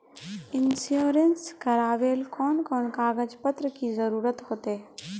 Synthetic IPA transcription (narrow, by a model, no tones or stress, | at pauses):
ɪnsjoːɾenskɐɾaːʋeːlkɔːnkɔːnkaːɡəd͡ʒpət̪ɾəkizəɾuːɾət̪ɦoːt̪eː